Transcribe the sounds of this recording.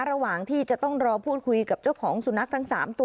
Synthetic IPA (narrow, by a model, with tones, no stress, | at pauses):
ɾa˧waː˨˩ŋt̪ʰiː˥˩t͡ɕa˨˩t̪ɔ˥˩ŋɾɔː˧pʰuː˥˩t̪̚kʰu˧jka˨˩p̚t͡ɕa˥˩wkʰɔː˩˦ŋsu˨˩˦na˦˥k̚t̪ʰa˦˥ŋsa̰ː˩˦mt̪u˧